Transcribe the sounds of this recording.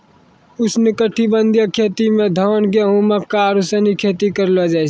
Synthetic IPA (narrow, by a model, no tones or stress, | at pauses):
ʊsnɪkəʈʰːibənd̪ʱijəkʰːet̪imẽd̪ʱəənɡeɦũməkːaɾusənikʰet̪ikəɾlɔd͡ʒajt͡ʃʰ